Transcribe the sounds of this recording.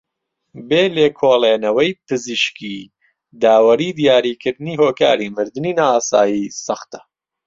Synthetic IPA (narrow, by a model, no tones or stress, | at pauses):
beːleːkʰoːlˠeːnɐwɐjpɨziʃkiː | d̪aːwɐɾiːd̪ijaːɾiːkʰɨɾd̪ɨniːɦoːka̰ːɾimɨɾd̪ɨniːnaːaːsaːjiːsɐxt̪ɐ̥